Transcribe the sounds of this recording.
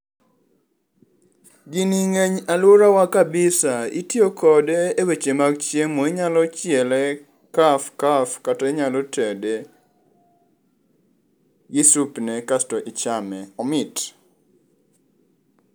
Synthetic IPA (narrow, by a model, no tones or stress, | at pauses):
ɡiniŋeɲalʊɾawakabɪsaḭtjokɔdeːwet͡ʃemaɡt͡ʃjemoiɲalɔt͡ʃɪɛlɛ | kafkafkatɔeɲalɔtʰɛde | ɡɪsupnɛkastɔʔit͡ʃamɛɔmɪt